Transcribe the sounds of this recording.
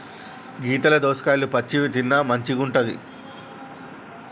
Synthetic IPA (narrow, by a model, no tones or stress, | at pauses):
ɡiːt̪ɐlɐd̪ɔːskaːjlupɐt͡ʃːiʋit̪inːɐmɐɲt͡ʃiɡuɳʈɐd̪ḭ